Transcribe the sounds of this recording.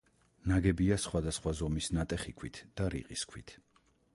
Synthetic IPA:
naɡɛbiasχwad̪asχwazɔmisnat̪ʼɛχikʰwit̪ʰd̪̥aɾḭqʼiskʰwit̪ʰ

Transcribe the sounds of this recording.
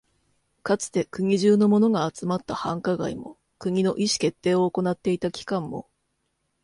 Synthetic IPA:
kat͡sɨ̥t̪e̞kɯ̟ŋ̟ʲiʑɨːno̞mo̞no̞ɡaːt͡sɨmat̪ːahãŋkaɡaimo̞̰ | kɯ̟ɲ̟ʲino̞ʔiɕi̥ke̞t̪ːe̞ːo̞ːko̞nat̪ːe̞it̪akʲi̥kãmːo̞̰

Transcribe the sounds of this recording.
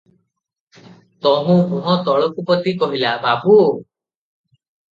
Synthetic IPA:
t̪ɔɦũkɔ̃ɦɔ̃t̪ɔɭɔkupɔt̪ikɔɦilababu

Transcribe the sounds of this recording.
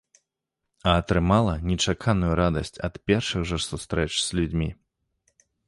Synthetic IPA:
ɐːt̪ɾɨmalˠɐnʲɛt͡ʂakʰanujuɾad̪ɐ̰sʲt͡sʲɐ̰t̪pʲɛrʂɨɣʐɐsust̪ɾɛt͡ʂz̥ʲlʲud͡zʲmʲi

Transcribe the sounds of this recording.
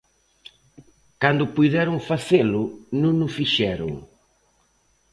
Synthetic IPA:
kand̪ʊpujðɛɾʊŋfaselʊnũŋnʊfiʃɛɾʊ̰ŋ

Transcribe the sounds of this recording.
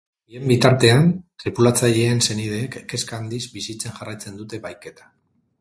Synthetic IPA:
bie̞mbit̪aɾt̪e̞ant̪ɾipulat͡saʎe̞ːnse̞nið̞e̞ːkke̞skaːnd̪izbisit͡se̞nʝarajt͡se̞nd̪ut̪e̞βajke̞t̪ḁ

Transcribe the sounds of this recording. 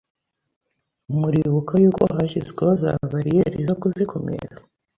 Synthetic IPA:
umuɾiβukajuːko̞̰ɦaʃizɡweoza̰βaɾijeɾizokuzikʰo̞mḛɾa

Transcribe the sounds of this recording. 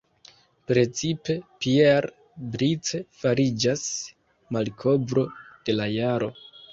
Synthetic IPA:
pɾe̞t͡sipe̞pieɾ | bɾit͡se̞faɾid͡ʒas | malkʰo̞bɾo̞d̥e̞lajaɾo̞

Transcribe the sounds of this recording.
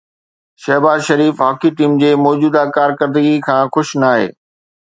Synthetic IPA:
ʃɐɦbaːzʃɐɾiːfɦaːkiʈiːmd͡ʑeːmɔːd͡ʑuːd̪akaːɾkəɾd̪əɡikʰãːxʊʃnaːɦḛː

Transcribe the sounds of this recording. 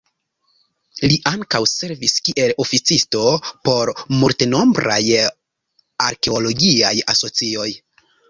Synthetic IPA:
liʔaŋkawse̞ɾviskiʔe̞lo̞fit͡sisto̞po̞ɾmulteno̞mbɾa̰j | aɾke̞olo̞ɡia̰ja̰so̞t͡sio̞j

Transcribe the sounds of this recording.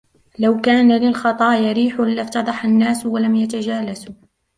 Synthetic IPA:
lawkaːnalɪlxɑt̪ˤɑːjaɾiːħʊlɪft̪ɑd̪ˤɑħanːaːswalamjat̪ad͡ʒaːlasu

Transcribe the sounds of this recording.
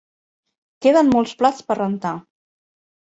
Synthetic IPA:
keðənmolˠsplat͡spərənt̪a

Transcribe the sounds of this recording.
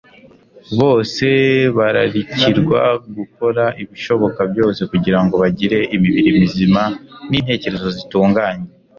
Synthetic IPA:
βo̞ːse̞βaɾaɾiciɾɡwa̰ɡuko̞ɾaʔiβiʃo̞βo̞kabjo̞ːse̞kuɟiɾaŋɡo̞βaɟiɾe̞ʔimiβiɾimizimanin̥he̞ːce̞ɾe̞zo̞zituːŋɡaːɲe

